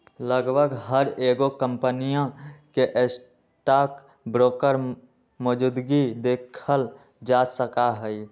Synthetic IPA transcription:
ləɡbʱəɡɦəɾeːɡokə̃mpənijãkeʔes | ʈaːk | bɾoːkəɾ | mod͡ʒud̪ɡid̪eːkʰəl | d͡ʒasəkaɦəi

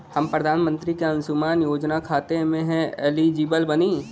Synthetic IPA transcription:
hɐmpɾəd̪ʱaːnmə̃nt̪ɾikeɐ̃nsʊmaːnjoːd͡ʒnakʰaːt̪emẽɦɛ̃ɛːlid͡ʒiːbəlbɐniː

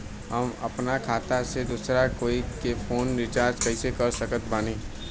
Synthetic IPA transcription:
ɦɐmɐ̰pnakʰaːt̪ased̪usɾakoːikefʰoːnɾɪt͡ʃaːɾd͡ʒkɐisekɐɾsəkət̪baːniː

